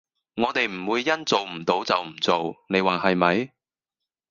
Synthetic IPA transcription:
ŋɔː˨˧t̪e˨jm̩˨˩wuː˨˧jːɐ˥nt͡so˨wm̩˨˩t̪o˨˧˥wt͡sɐ˨wm̩˨˩t͡so˨wne˨˧jwaː˨˩hɐ˨jmɐ˨˧j

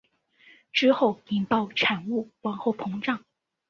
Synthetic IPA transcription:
ʈ͡ʂɻ̩˥xo˥˩ʊi˨˩nt̪ɑ˥˩ʊʈ͡ʂʰa˨˩nu˥˩wa˧˥nxo˥˩ʊpʰɤ˧˥ŋʈ͡ʂɑ˥˩ŋ

